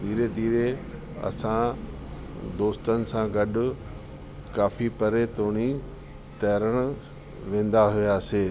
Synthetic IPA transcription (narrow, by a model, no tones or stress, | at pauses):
d̪iːɾed̪iːɾe | ɐ̰sã | d̪oːst̪ənɪ̆sãɡɐɗʊ̆ | kaːfipɐɾet̪oːɽ̃i | t̪ɛːɾəɽ̃ | ʋẽːn̆d̪aɦʊjaːseː